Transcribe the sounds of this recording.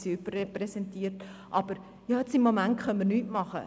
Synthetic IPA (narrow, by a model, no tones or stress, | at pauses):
siybərɛprɛsɛntiːəɾtʔɑb̥əɾ | jɑːɛt͡sɪmːomæntχœnəmiːrnyːtmɑχə̰